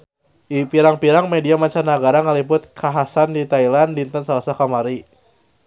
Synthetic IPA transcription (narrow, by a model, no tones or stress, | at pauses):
ʔipiɾaŋpiɾaŋmediamaɲt͡ʃarnaɡaɾaŋəlibʊt̪̚kʰaɦasandit̪ailanlint̪ənsalasakamaɾi